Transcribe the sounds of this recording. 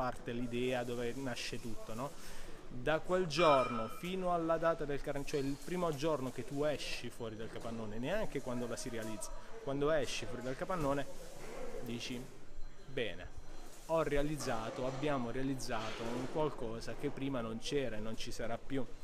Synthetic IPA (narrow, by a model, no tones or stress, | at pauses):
art̪elid̪ɛːad̪oːvenaʃːet̪ut̪ːonɔ | d̪akweld͡ʒornofiːnoalːad̪aːt̪ad̪elkaɾt͡ʃoɛilpɾiːmod͡ʒornok̟et̪ːuɛʃːifwɔːɾid̪alkapanːoːneneaŋk̟ekwand̪olasiɾealid̪zːakwand̪oɛʃːifwɔːɾid̪alkapanːoːne | d̪iːt͡ʃi | bɛːnḛ | ɔrːealid̪zːaːt̪oabːjaːmoɾealid̪zːaːt̪ouŋkwalkɔːzak̟epːɾiːmanont͡ʃɛːɾanont͡ʃisaɾapːju